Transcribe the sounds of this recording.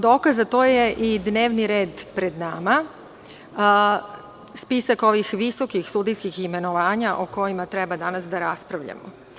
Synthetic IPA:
d̪o̞ːkazat̪oːje̞ʔid̪ne̞ːʋniɾe̞ːd̪pɾe̞d̪nama | spisako̞ʋixʋiso̞kixsud̪ijskixime̞noʋaːɲaʔoko̞jimat̪ɾe̞bad̪anasd̪aɾaspɾaʋʎa̰mo̰

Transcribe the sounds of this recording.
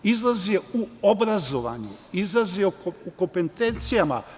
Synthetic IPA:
izlˠazieuobɾazoʋa̰ɲṵizlˠaziooukompent̪ent̪sijama̰

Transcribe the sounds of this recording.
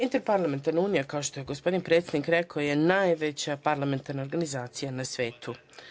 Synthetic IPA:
int̪eɾpaɾlˠame̞nt̪aɾnauːnijakaoʃt̪o̞jeɡo̞spo̞d̪inpɾet̪sʲjed̪nikɾekaoje̞najʋe̞t͡ɕapaɾlˠame̞nt̪aɾnao̞ɾɡanizaːt̪sijanasʋe̞ːt̪u

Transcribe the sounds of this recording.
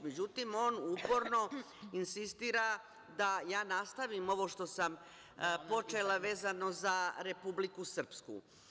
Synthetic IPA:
med͡ʑut̪imo̞ːnuːpo̞ɾno̞ | insist̪iːɾa | d̪ajaːnast̪aʋimo̞ʋo̞ʃt̪o̞sam | po̞t͡ʃe̞laʋe̞ːzano̞zaɾe̞publikusr̩pskṵ

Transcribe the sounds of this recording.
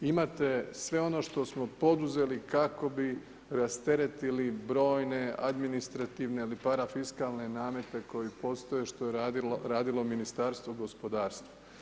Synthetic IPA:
imat̪e̞sʋe̞o̞no̞ːʃt̪o̞smo̞po̞d̪uze̞likako̞bi | ɾast̪e̞ɾe̞t̪ilibɾo̞ːjne̞ad̪minist̪ɾat̪iːʋne̞ilipaɾafiskaːlˠne̞naːme̞t̪e̞ko̞jipo̞st̪ojeʃt̪o̞jeɾaːd̪ilominist̪aːɾst̪ʋoɡo̞spo̞d̪aːɾst̪ʋa

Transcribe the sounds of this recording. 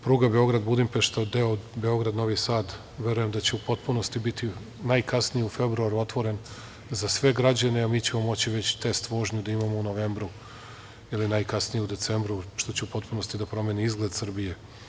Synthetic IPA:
pɾuːɡabe̞o̞ɡɾad̪bud̪impeʃt̪od̪eobe̞o̞ɡɾad̪no̞ʋisaːd̪ | ʋe̞ɾuje̞md̪at͡ɕeupo̞t̪puno̞st̪ibit̪ʰi | najkasnijeufe̞bɾuaɾuo̞t̪ʋo̞ɾe̞n | zasʋe̞ɡɾad͡ʑane̞amiːt͡ɕe̞mo̞mo̞t͡ɕiʋet͡ɕt̪est̪ʋo̞ːʒɲud̪aimamouno̞ʋeːmbɾu | jilinajkasnijeud̪e̞t̪se̞mbɾuʃt̪o̞t͡ɕeupo̞t̪̚puno̞st̪id̪apɾo̞meːniizɡle̞d̪sər̩bije̞

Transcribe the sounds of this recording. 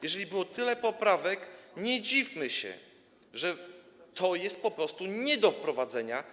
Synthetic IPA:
jɛʐɛlʲibɘwɔt̪ɘlɛpɔpɾavɛkɲɛd͡ʑifmɘɕɛ̰ | ʐɛ | t̪ʰɔjɛst̪̚pɔpɾɔst̪uɲɛd̪ɔfpɾɔvad̪zɛɲa

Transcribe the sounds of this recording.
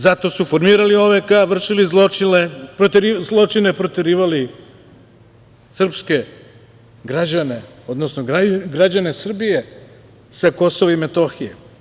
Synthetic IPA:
zat̪o̞sufo̞ɾmiːɾalio̞ʋekaʋr̩ʃilizlˠot͡ʃinepɾot̪eɾizlˠo̞t͡ʃine̞pɾot̪eɾiːʋali | sr̩pske̞ | ɡɾad͡ʑane̞o̞d̪nosnoɡaɡɾad͡ʑane̞sr̩bije | sako̞soʋaimet̪o̞xijḛ

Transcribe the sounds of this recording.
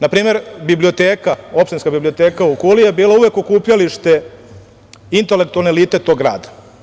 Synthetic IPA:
napɾiːme̞ɾbiblio̞t̪eːkao̞pʃt̪inskabiblio̞t̪e̞ːkaukulijebiːlauʋe̞ko̞kuːpʎaliʂt̪e̞ | int̪ele̞kt̪ualneliːt̪e̞t̪o̞ɡɾa̰ːd̪ḁ

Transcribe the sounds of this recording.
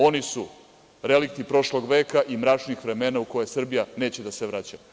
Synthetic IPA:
o̞nisu | ɾe̞lik̚t̪ipɾo̞ʃlo̞ɡʋe̞ːkaʔimɾat͡ʃnixʋɾe̞me̞ːnauko̞jesr̩bijaneːt͡ɕe̞d̪aseʋɾat͡ɕa

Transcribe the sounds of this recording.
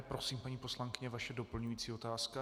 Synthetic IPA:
pɾo̞siːmpaɲiːposlaŋkɪɲɛvaʃɛdo̞pl̩ɲujiːt͡siːo̞t̪aːska

